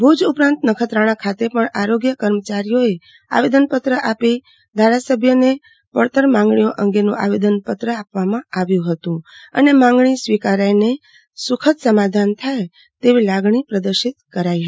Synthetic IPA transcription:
bʱud͡ʒupɾãnt̪nəkʰət̪ɾaɽ̃ãkʰat̪epəɳaɾoɡjəkəɾmət͡ʃaɾijoe | a̰ʋed̪ənpət̪ɾəʔapi | d̪ʱaɾasəbʱjəne | pəɭt̪əɾmãŋɡɳijoʔə̃ŋɡenũʔa̰ʋed̪ənpət̪ɾəapʋamãaʋjũɦət̪ũə̰nemãŋɡɳisʋikaɾajne | sukʰət̪səmad̪ʱant̪ʰaj | t̪eʋilaɡɳ̃ipɾəd̪əɾʃit̪̚kəɾaj

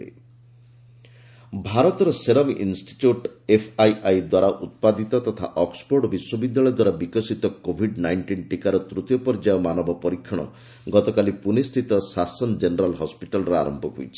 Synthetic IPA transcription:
ḛ | bʱaɾɔt̪ɔɾɔseɾɔmʔinsʈi̥ʈjuʈepʰajʔajd̪waɾaʔut̪̚pad̪it̪ɔt̪ɔt̪ʰa̰ʔɔkspoɾɖbiswɔbid̪jaɭɔjd̪waɾabikɔsit̪ɔkobʱiɖnajɳʈinʈikaɾɔt̪ɾut̪jɔpɔɾd͡ʒajɔmanɔbʱɔpɔɾikʰːɔɽ̃ɔ̰ | ɡɔt̪ɔkalipunist̪ʰit̪ɔsasɔnd͡ʒenɔɾalɦɔspiʈalɔɾɔa̰ɾɔmpɔɦṵjt͡ʃʰi̥

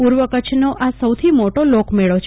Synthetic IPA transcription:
puɾʋəkət͡ʃʰnoʔasəwt̪ʰimoʈolokmeɭot͡ʃʰ

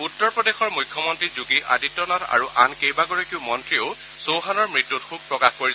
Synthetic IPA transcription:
utːɔɹpɹɔdexɔɹmujkʰːjɔmɔntɹizuɡiʔa̰ditːɔnatʰa̰ɹuʔa̰nkejbaɡɔɹakiʊmɔntɹioʊ | sowɦanɔɹmɹitːutxuɡ̚pɹɔkaxkoɹi

